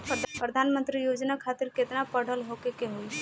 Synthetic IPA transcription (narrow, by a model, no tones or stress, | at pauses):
pɾəd̪ʱaːnmə̃nt̪ɾijoːd͡ʒnakʰaːt̪ɪɾkɪt̪napəɽ̤ʱəlɦokekeɦoi